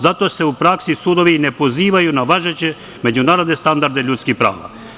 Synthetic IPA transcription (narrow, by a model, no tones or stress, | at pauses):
zat̪oseupɾaksisud̪oʋinɛpoziːʋajunaʋaʒet͡ɕe | med͡ʑunaːɾod̪nest̪and̪aɾd̪ɛʎut̪skixpɾa̰ːʋa̰